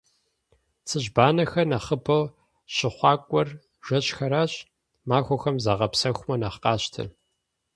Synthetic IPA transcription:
t͡sʰɨʑbaːnɐxɐnɐχəbɐw | ɕɪχʷɑːkʷʼɔr | ʒ̥ʷɐɕxɐɾaːɕ | maːxʷɔxɐmzaːʁɐpsɐxʷʊmɐnaːχqɑːɕtʰɐ̰

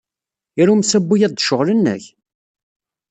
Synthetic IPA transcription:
iɾumsæbːujæðd̪ʃəʁlənːə̰ç

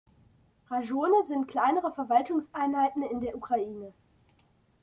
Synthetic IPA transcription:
ʁaʒoːnəzɪntkl̥aɪnəʁəfɛɐvaltʊŋsʔaɪnhaɪtn̩ɪndeːɐʔukʁ̥aʔiːnə

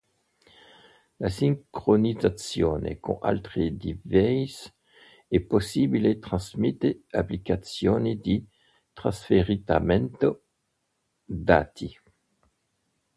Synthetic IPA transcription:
lasiŋkʁonizat̪t͡sjoːnḛkõ̰ʔa̰lt̪ʁid̪ivɛs | ɛposibilet̪χãsmit̪eaplikat̪sjonid̪i | t̪ʁã̰sfeʁit̪a̰mɛnt̪o | d̪at̪ʰi

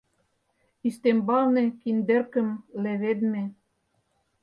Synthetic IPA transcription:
ist̪embɑlnekind̪ĕrkə̆mleβed̪me

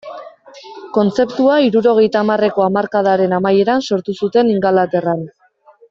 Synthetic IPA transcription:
ko̞nt͡se̞pt̪uaiɾuɾo̞ɣ̞e̞jt̪aːmare̞ko̞amaɾkað̞aɾe̞namaje̞ɾanso̞ɾt̪usut̪e̞niŋɡalat̪e̞ran

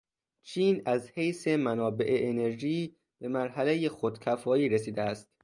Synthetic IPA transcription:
t͡ʃʰiːnæzhejse̞mænɒːbe̞ʔeʔːne̞ɾʒiː | b̥e̞mæɾɦælejexod̪cʲʰæfɒːiːɾesiːd̪eæst̪

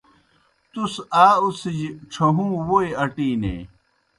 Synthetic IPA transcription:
t̪usaːusid͡ʑʈ͡ʂʰɐɦũːwojɐʈiːnḛː

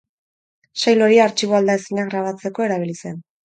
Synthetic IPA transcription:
sajlo̞ɾiaːɾt͡ʃiβoald̪aesiɲaɣɾaβ̞at͡se̞ko̞e̞ɾaβ̞ilise̞n

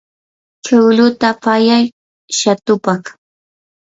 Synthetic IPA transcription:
t͡ʃawlʊt̪apajaj | ʃat̪ʊpɑχ

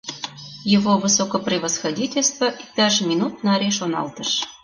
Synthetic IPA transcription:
jəvovɨsokoprʲɪvəsxɐdʲitʲelʲst̪vəʔik̚t̪ɑʒmʲinut̪nɑɾʲeʃonɑ̰lt̪əʃ

